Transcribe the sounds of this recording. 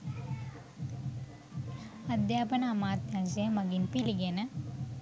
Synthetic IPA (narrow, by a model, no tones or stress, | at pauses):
ɐd̪jaːpɐnɐːmaːt̪jansemɐɡinpiliɡeːnɐ